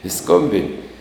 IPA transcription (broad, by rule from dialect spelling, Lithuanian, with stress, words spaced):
ɪ ˈskoːmʲbʲɪnʲɪ